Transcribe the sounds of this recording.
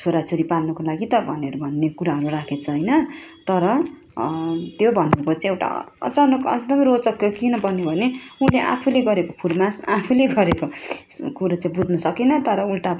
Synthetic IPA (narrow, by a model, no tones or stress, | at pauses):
t͡sʰoɾat͡sʰoɾipalnʌkolaɡit̪ʌbʱʌneɾubʱʌnːekuɾaɦʌɾurakʰet͡sʰʌɦʌjnʌt̪ʌɾʌ | t̪jobʱʌnːekot͡saĩewʈa̰t͡sʌnʌkʌkd̪ʌmʌrot͡sʌkːkinʌbʌnebʱʌneuleʔa̰pʰuleɡʌɾekopʰurmasapʰuleɡʌɾekokuɾat͡saĩbud̪ʱnʌsʌkinʌt̪ʌɾʌulʈa